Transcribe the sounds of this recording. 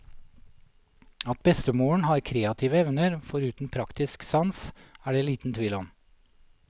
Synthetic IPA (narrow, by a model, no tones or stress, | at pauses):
ɑt̪̚bɛst̪əmoːɳ̩hɑːɾkʰɾeːɑt̪ʰiːʋəɛʋnəɾfɔɾʉːt̪n̩pʰɾɑkt̪ɪsksɑnsæːɖeːliːt̪n̩t̪ʰʋɪlɔm